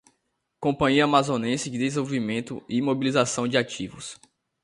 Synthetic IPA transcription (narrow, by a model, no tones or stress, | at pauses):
kõpɐ̃ɲiɐamazõnẽsɪd͡ʒɪd̪ezvowvimẽnt̪ʊimobilizasɐ̃w̃d͡ʒɪat͡ʃivʊ̰s